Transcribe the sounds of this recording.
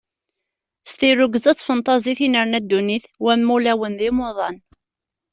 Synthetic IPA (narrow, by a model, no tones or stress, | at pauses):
st̪iɾʊɡəzæt͡sːfənt̪ˤɑziθinəɾnæd̪ːuniθwæmːulæwənðɪmoðˤɑn